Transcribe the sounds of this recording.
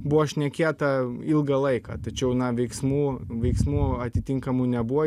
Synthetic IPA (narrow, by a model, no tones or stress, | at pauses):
buʋɔʃʲnʲɛkʲeːt̪ɐɪlˠɡɐlˠɐɪkɑ̰t̪ɐt͡ʃʲɛʊnɐʋʲɛɪksmuːʋʲɛɪksmuːɐt̪ʲɪt̪ʲɪŋkɐmuːnʲɛbuʋɔ